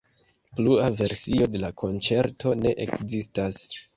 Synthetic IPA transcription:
pluave̞ɾsio̞de̞lakʰo̞nt͡se̞ɾto̞ne̞ʔḛkzistas

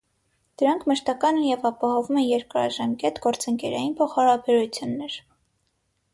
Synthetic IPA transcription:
d̪̥əɾɑŋkʰməʃt̪ɑkɑnəjɛvɑpɑhɔvumɛnjɛɾkəɾɑ̰ʒɑmkɛt̪ɡɔɾt͡səŋkɛɾɑjinpʰɔχɑɾɑbɛɾut͡sʰjunːɛɾ

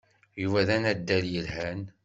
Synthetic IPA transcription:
juvæðænæd̪ːæljəlhæn

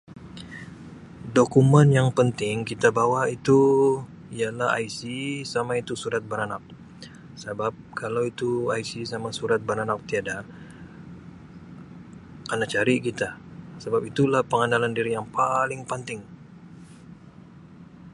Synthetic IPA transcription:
dokumɛnjaŋpənt̪ɪŋkit̪abawait̪u | ialaha̰isisamait̪usuɾat̪̚bəɾanak̚ | səbap̚kʰalawit̪uaisisamasuɾat̪̚bəɾanak̚t̪iada | anak̚t͡ʃaɾikit̪asəbapit̪ulahpəŋanalandiɾijaŋpalɪŋpənt̪ɪŋ

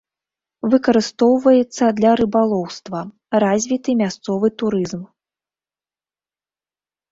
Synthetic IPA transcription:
vɨkɐɾɨst̪ɔwvɐjɛt̪sːɐd̪lʲɐɾɨbalˠɔwst̪vɐ | razʲvʲit̪ɨmʲast̪sɔvɨt̪uɾɨzm

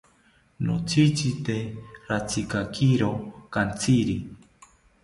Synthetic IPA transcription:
no̰t͡sʰit͡ʃit̪eɾat͡sʰikakʰiɾokant͡siɾi

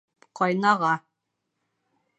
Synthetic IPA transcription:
qʰɒjnɑʁɑ

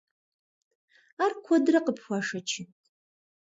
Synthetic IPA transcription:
arkʷʰɔdɨrɐqəpʰxʷaːʂɐt͡ʃʰɪ

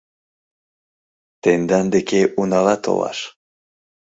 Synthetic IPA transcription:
t̪end̪and̪ekʲeʔunɑlˠɑt̪ʰo̰lˠɑ̰ʃ

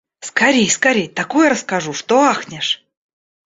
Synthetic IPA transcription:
skɐɾʲejskɐɾʲejt̪akujɾəskaʐuʂt̪oaxnʲɪʂ

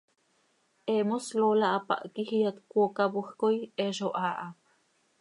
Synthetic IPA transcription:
ʔemoslolaʔapa̰ʔkihiat̪kʷokabuhkojeʃoʔaːʔa

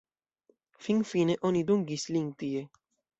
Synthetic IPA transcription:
fiŋfineʔonid̪uŋɡisliŋt̪ie

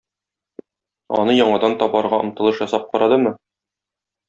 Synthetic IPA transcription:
ɒ̰nɤjɒɴɑd̪ɑnt̪ɒbɑɾʁɑŏmt̪ɤ̆lˠɤʃjɒsɑp̚qɒɾɑd̪ɤmɤ

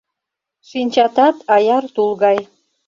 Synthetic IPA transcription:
ʃinʲt͡ɕɑt̪ɑt̪ɑjɑrt̪ulˠɣɑj

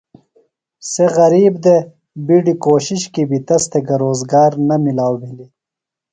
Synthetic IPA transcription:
seɣɐɾiːbd̪e | biɖikoːʃiʃkibit̪ɐst̪eɡɐɾoːzɡɑːɾnɐmilaːwbili

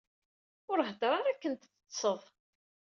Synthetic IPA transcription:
ʊɾɦəd̪ɾˤɑɾakːənt̪θ | sˤəðˤ

